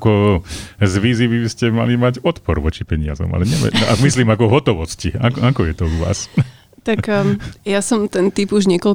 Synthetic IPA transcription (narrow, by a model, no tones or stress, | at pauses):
kɔ | zʋiːzibibscɛma̰limaɟɔt̪pɔɾʋɔt͡ʃipɛɲɪazɔ̰ma̰lɛɲɛmɛ̰ʔa̰ɡmisliːmakɔɦɔt̪ɔʋɔsciakakɔjɛt̪ɔuʋa̰ːs | t̪akjasɔmt̪ɛnt̪ibuʒɲɛkɔl